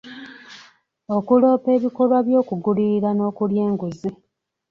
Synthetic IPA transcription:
o̞kulo̞ːpe̞ːβikolwaβjo̞ːkuɡuliɾano̞ːkulje̞ːŋɡuzi

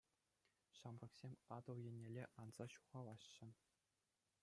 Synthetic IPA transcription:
ɕɑmrɤ̆ksʲemʲɑd̪ɤ̆lˠjenʲːelʲeʔɑnz̥ɑɕu̥ʁɑlˠɑɕːɘ̆

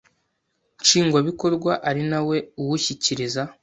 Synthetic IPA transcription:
nt͡ʃiːŋɡwaβiko̞ɾɡwaʔaɾinawe̞uwuçiciɾiza

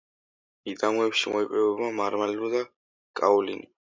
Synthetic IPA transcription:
id̪amuɛpʃimʔɔipʼɾɛbɛbamaɾmalilud̪a | kʼaulḭni

